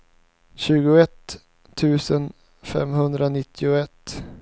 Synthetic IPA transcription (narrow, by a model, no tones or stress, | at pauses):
ɕʉ̟ːɡʊɛt̪ʰː | ʉ̟ːsən | fɛ̰mɦɵnd̪ɾanɪt̪ʰːɪʊɛt̪ː